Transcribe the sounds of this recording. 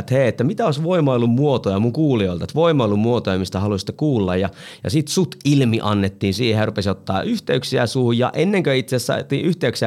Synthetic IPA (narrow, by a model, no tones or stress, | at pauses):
t̪heːet̪ːæmit̪æoˑisʋoimɑilːummuot̪ojɑmuŋkuːlioilt̪ɑt̪ʋoimɑilːummuot̪ojɑmist̪æhɑlust̪ːˑekuːlːɑjjɑ | jɑ̰sit̪sut̪ilmiʔɑnːet̪ːiːnsiːhehjærupesiot̪ːɑ̰ːʔyht̪eyksiæ̰suhujjɑ̰ʔenːeŋkøit̪sessɑ̰it̪ːiːʔyht̪eyksiæ